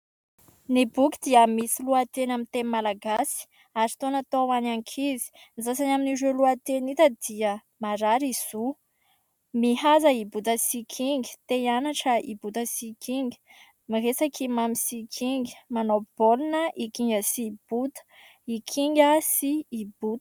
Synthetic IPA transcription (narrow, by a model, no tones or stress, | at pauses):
nibukid̪̥iəmisiluat̪enamint̪enmalaɡasi̥ | aɾi̥t̪onat̪owanaŋkʰizi̥ | nzasanaminiɾeluat̪enit̪əd̪̥iə | maɾaɾiz̥u | mihazəibut̪əsikʰiŋɡi̥t̪ejanaʈ͡ʂəʔibut̪əsikʰiŋɡi̥ | miresakʰimamisikʰiŋɡi̥manob̥olinəʔikiŋɡəsib̥ut̪ə̥ | ikʰiŋɡʲəsiːb̥ut̪ə̥